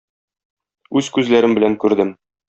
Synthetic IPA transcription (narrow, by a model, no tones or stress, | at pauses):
ʉzkʉzlæɾɘmbɘ̆læŋkʉɾd̪ɘm